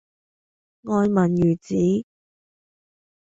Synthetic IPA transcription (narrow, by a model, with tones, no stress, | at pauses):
ŋɔː˧jmɐ˨˩njyː˨˩t͡siː˨˥